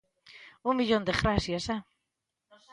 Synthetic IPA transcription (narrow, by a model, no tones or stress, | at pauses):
uŋmiʎond̪eɣɾasjasa